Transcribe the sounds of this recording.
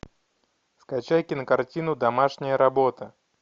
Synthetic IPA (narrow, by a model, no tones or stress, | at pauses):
skat͡ɕajkʲɪnəkartʲinʊd̪ɐmaʂnʲɪjəɾɐbot̪ə